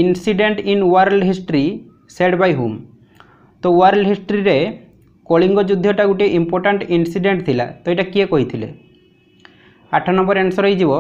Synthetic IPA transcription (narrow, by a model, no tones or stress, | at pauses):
insiɖeɳʈinuaɾlɖɦisʈɔɾi | seɽbajɦum | t̪ouaɾlɖɦisʈɔɾiɾe | koɭiŋɡɔd͡ʒud̪ʱːɔʈaɡuʈiʔimpɔɾʈaɳʈinsiɖeɳʈt̪ʰila̰t̪ojʈakiekoɦit̪ʰilḛ | aʈʰanɔmbɔɾensɔɾojd͡ʒibɔ